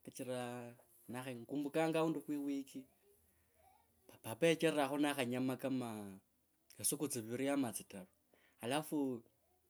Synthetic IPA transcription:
at͡ʃiɾa | naxaŋkuːmbukaŋɡaunduxwiwiki | apapet͡ʃerɾaxonaxaɲamakama | asukut͡siβiɾiamat͡sitaɾu | alafu

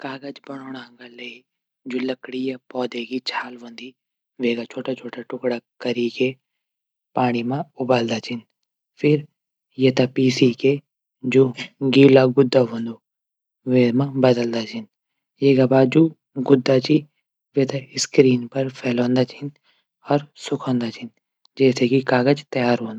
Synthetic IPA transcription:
kaːɡəd͡ʒbɐɽ̃oːɽãːɡaleː | d͡ʒulɐkɽijapɔːd̪ekit͡ʃʰaːlʋɐ̃nd̪i | ʋeːɡat͡ʃʰoːʈat͡ʃʰoːʈaʈʊkɽakɐɾike | paːɽ̃imãʊbaːld̪at͡ʃʰɪn | fʰɪɾ | jet̪apiːsike | d͡ʒoɡiːlaɡʊd̪ːaɦõːnd̪o | ʋeːmãbɐd̪əld̪at͡ʃʰɪn | jeːɡabaːd͡ʒu | ɡʊd̪ːat͡ʃi | ʋet̪aɪskɾiːnpɐɾpʰɛːlõːnd̪at͡ʃʰɪn | ɔːɾsʊkʰõːnd̪at͡ʃʰɪn | d͡ʒɛːsekikaːɡət͡ʃt̪ɐjaːɾɦõːnd̪o

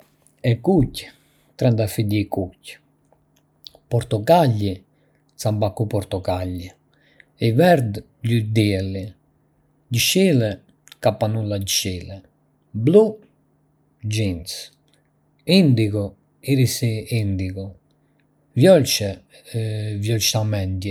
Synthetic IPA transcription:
ɛkuc | t̪ɾɛnd̪afiʎikucː | pɔɾt̪ɔkaʎːi | sambakːupɔɾt̪ɔkaʎːi | ɛvɛɾd̪ | ʎud̪iɛlːi | ɟiʃilɛ | kapːanulaɟʃilɛ | blu | d͡ʒins | ind̪iku | iɾisiind̪ikɔ | vjɔlt͡ʃɛ | vjɔlt͡ʃ̪amɛnd̪jɛ

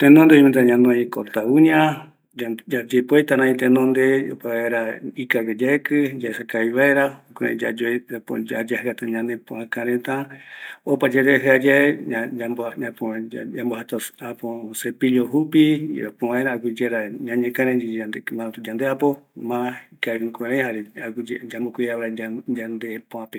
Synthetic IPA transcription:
t̪ẽnõnd̪eoment̪aɲãnõikot̪auɲã | d͡ʒad͡ʒepoet̪aɾãĩt̪enõnd̪eo̰paaeɾaikaked͡ʒaekɨd͡ʒaesakaiβaeɾaokoɾḛ̃d͡ʒa̰d͡ʒopo̰d͡ʒad͡ʒahɨat̪aɲãnẽpõãkãɾẽt̪ã | opad͡ʒeɾeɦɨad͡ʒaeambãpoambohat̪aaposepiʎoɦupḭɾopoʋaeɾaak̬id͡ʒeɾaɲãɲẽkãɾẽd͡ʒiand̪emãnõt̪ud͡ʒand̪eapomãikaɨ̃kʷeɾãjhaɾeakd͡ʒed͡ʒambokʷiaβeɾaad͡ʒand̪epõãpe

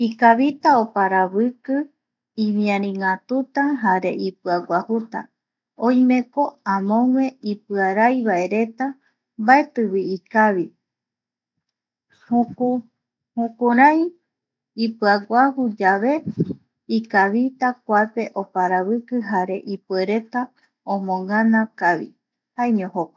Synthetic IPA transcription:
ikaβit̪aopaɾaβɨkɨ | iβiãɾ̃ĩŋat̪ut̪aɦaɾe̞ʔipɨaɡʷahut̪a̰ | õjmẽ̞ko̞ãmõ̞ŋwẽ̞ipɨaɾajβae̞ɾe̞t̪a | bae̞t̪ɨβiːkaβi | huku | hũkuɾaj | ipɨaɡʷahud͡ʒaβe̞ | ikaβit̪ak̚ʷape̞ʔo̞paɾaβɨkɨɦaɾe̞ʔipue̞ɾe̞t̪a | õmõŋãnãkaβḭ | haeɲõhokḁ

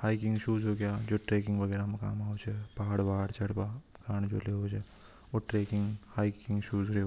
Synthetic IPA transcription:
haːikɪ̃ŋɡʃuːzɦoːɡjaːd͡ʒoːʈɾeːkɪ̃ŋɡʋɐɡɛːɾamẽka̰ːmaːot͡ʃʰepaːɽbaːɽt͡ʃɐɽpa | kaːñd͡ʒo̰ːleɦot͡ʃʰe | oʈɾeːkɪ̃ŋɡhaːikɪ̃ŋɡʃuːzɾe

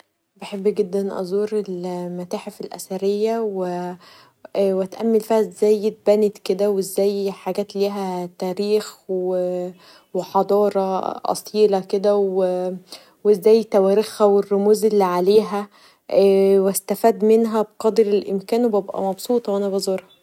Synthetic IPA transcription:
beħebːɡed̪ːænʔɑ̰zˤuːɾelmæt̪aːħefelʔæ̰sæɾejːæwe | wæt̪ʔæmːelfæʔezːæːjːet̪̚bæːnet̪ked̪æwezːæːjħaɡæːt̪liːɦæt̪æːɾiːxwe | weħɑd̪ˤɑːɾˤɑʔɑ̰sˤiːlæked̪æw | weezːæːjt̪æwæːɾexhæwerːomuːzelːiʕaleːɦæ | wæst̪æfæːd̪menɦæbeqɑd̪ɾelʔemkæːnwebæbʔæ̰mɑbsˤuːt̪ˤɑwʔænæbæzˤoːɾhɑ

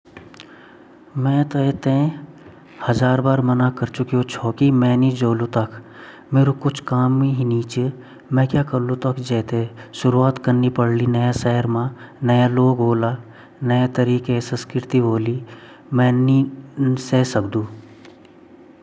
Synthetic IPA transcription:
mɛ̃ːt̪oet̪ẽ | hɐzaːɾbaːɾmɐnakɐɾt͡ʃʊkiõt͡ʃʰoːkimɛ̃ːnid͡ʒoːlũt̪ɐkʰ | meːɾokʊt͡ʃʰkaːmːẽɦiniːt͡ʃe | mɛ̃ːkjaːkəɾlũt̪əkd͡ʒɛːt̪eʃʊɾuaːt̪kɐɾnipɐɽlinɐjasɛːəɾmãnɐjaloːɡɦoːla | nɐjet̪ɐɾiːkesə̃nskɾɾɪt̪iboːli | mɛ̃ːnisesɐkd̪ũː

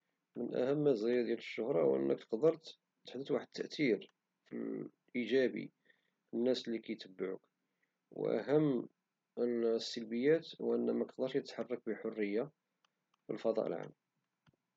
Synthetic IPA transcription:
mənʔæ̰həmːæzæjæd̪jæləʃːʊhɾˤɑwʔə̰nːʔək̚t̪ə̥qd̪əɾˤt̪ | t̪ə̥ħd̪ət̪waħəd̪̚t̪ʰːəʔt̪iɾ | fḭl | ʔiʒæbḭ | fənːæsəlːikæjt̪əbːaʕṵk | w̰ʔæ̰ɦəmː | sːəlbəjːæt̪wʔənːæmækq̚d̪ɑɾʃət̪ħɑrˤːɑk̚bəħorːəjːa | fḭlfɑd̪ˤɑ̰ʔə̰lʕa̰mː

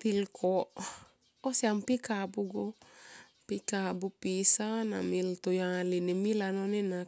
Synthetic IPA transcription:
t̪ilkʰɔʔ | osiampikabuɡo | pikabupisana̰milt̪ujalinimilanonena

